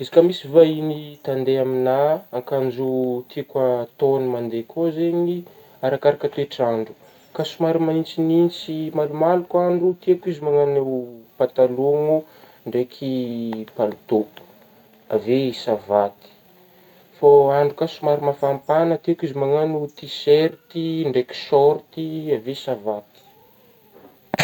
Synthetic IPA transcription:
izi̥kəmisivainit̪and̪eaminaːŋkand͡ʒut̪ʰikat̪onimand̪ekʰozeɲi | aɾakaɾakət̪ueʈ͡ʂaɳɖ͡ʐu̥ | kasumaɾimaint͡sinint͡simalumalukaɳɖ͡ʐut̪ekizimaŋanewpat̪aloŋu | ɳɖ͡ʐekʰipald̪o | avesavat̪i̥ | faaɳɖ͡ʐukasumaɾimafampanət̪ekizimaŋanut̪iseɾt̪iɳɖ͡ʐeki̥sɔɾt̪iavesavat̪i̥

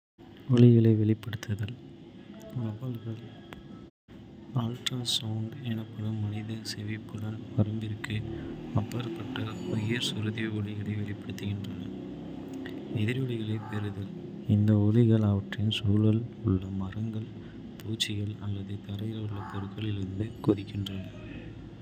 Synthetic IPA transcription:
ɔɭɪɣɐɭɐɪʋɛɭɪpːɐɽɯt̪ːɐðɐl | ɐbɐlɣɐɭ | aːlʈrɐsɐːɳɖɛnɐpːɐðɯmːɐnɪðɐsɛʋipːɯɽɐnpɐɾɐmbɪɾɯkːɯɐpːɐɾɐpːɐʈːɐɔjɐɾsʊɾɯðiɔɭɪɣɐɭɐɪʋɛɭɪpːɐɽɯt̪ːɯɣɪndrɐnɐ | ɛðɪɾɔɭɪɣɐɭɐɪpɛɾɯðɐl | ɪnd̪ɐɔɭɪɣɐɭɐʋɐʈrɐjɯmsuːlɐlʊɭːɐmɐrɐŋɡɐɭ | t̪uːt͡ʃːɪɣɐɭɐlːɐðɯt̪ɐɾɐɪlʊɭːɐt̪ɔɾɯkːɐɭɪɾɯnd̪ɯkʊðɪkːɪndrɐnɐ

